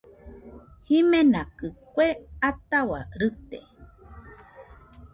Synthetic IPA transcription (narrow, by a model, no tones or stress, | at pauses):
himẽnãkɨkʷeat̪awa̰ɾɨt̪ḛ